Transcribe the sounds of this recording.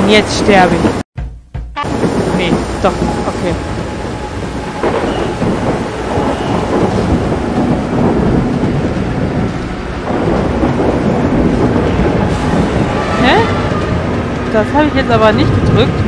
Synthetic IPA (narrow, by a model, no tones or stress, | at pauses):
njɛt͡stʃtɛɐbəɪç | ned̥ɔχʔokʰeː | hɛ | d̥ashaːbəɪçjɛt͡stʔaːbɐnɪçt̚ɡ̥ədʁʏk̚t